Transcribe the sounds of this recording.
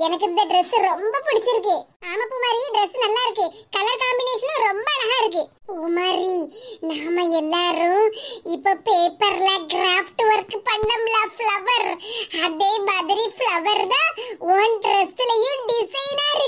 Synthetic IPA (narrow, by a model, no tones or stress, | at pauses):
ɛnɐk̬ɐd̪ɐɖɾesːɾombɐpuɽit͡ʃiɾk̬eaːmɐpuːmaːɾiɖɾesːnɐlːaiɾkekɐlɐɾkaːmbineːʂɐnɾombɐlɐɦaɾk̬epuːmaːɾinaːmɐɛlːaːɾũipːopeːpɐɾlaɡɾaːpʰʈʋɐɾkpɐɳɖɐmlapʰlɐʋɐɾhɐd̪eːbaːd̪ɐɾipʰlɐʋɐɾd̪ɐʋoːnɖɾesːlɐjuɖisɐjnaːɾ